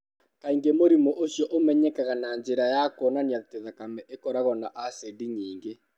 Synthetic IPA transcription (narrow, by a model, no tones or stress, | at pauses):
kaiŋɡemoɾimɔʔosjɔʔomɛɲɛkaɣanaɲd͡ʒeɾajakɔːnaniateðakamɛʔekɔɾaɣɔnaʔasediɲiːŋɡe